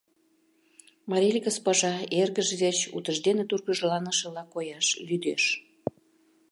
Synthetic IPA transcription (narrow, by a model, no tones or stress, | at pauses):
mɑɾʲilʲkəspɑʒɑerɣəʒɣet͡ɕṵt̪əʒd̪enet̪urɣəʒlɑnəʃə̆lɑkojɑʃlyd̪ḛʃ